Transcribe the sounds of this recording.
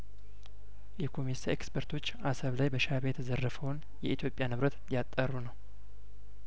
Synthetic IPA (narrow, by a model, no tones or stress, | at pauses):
jɛkʰo̞misaekspʰəɾt̪ʰo̞t͡ʃːasəβlajbəʃaβejɛt̪ʰəzərːəfəwn | jɛʔit̪ʰjo̞pʼjanɨβɾət̪jat̪ʼːərːunəw